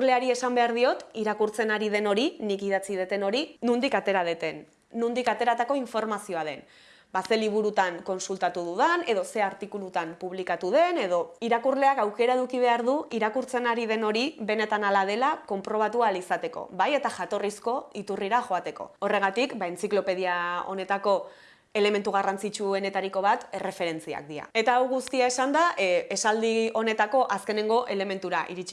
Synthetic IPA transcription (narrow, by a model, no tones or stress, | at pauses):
le̞aɾie̞sambe̞aɾð̞io̞t̪iɾakuɾt͡se̞naɾið̞e̞no̞ɾinikiðat͡sið̞e̞t̪e̞no̞ɾinund̪ikat̪e̞ɾað̞et̪e̞nː | und̪ikat̪e̞ɾat̪ako̞iɱfo̞ɾmasio̞aðe̞n | base̞liβ̞uɾut̪aŋko̞nsult̪at̪uðuðane̞ðo̞se̞aɾt̪ikulut̪ampuβ̞likat̪uð̞e̞ne̞ðo̞iɾakurle̞akawke̞ɾae̞ðukiβ̞e̞aɾðuiɾakuɾt͡se̞naɾiðe̞no̞ɾiβe̞ne̞t̪analað̞e̞lako̞mpɾo̞β̞at̪ualisat̪e̞ko̞̰βaje̞t̪aʝat̪o̞risko̞it̪uriɾaxo̞at̪e̞ko̞̰o̞re̞ɣ̞at̪ikbaent͡siklo̞pe̞ð̞iao̞̰ne̞t̪ako̞ | e̞le̞me̞nt̪uɣarant͡sit͡ʃue̞ne̞t̪aɾiko̞β̞at̪ere̞fe̞ɾe̞nt͡sia̰k̚d̪ia̰e̞t̪aːwɣust̪iaesand̪aʔe̞sald̪io̞ne̞t̪ako̞ʔaske̞ne̞ŋɡo̞ʔe̞le̞me̞nt̪uɾaʔḭɾit͡ʃi̥